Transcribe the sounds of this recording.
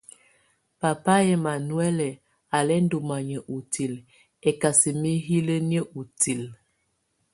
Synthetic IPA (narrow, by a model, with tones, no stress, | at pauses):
pa˨pa˦ɛ˨ma˨nu˦ɛ˦lɛ˨ | a˨lɛ˦n˦do˨ma˨ɲə˨ʔu˨ti˨l | ɛ˨ka˨si˨mi˦ɦi˦lə˦n˦ə˦ʔu˨ti˨l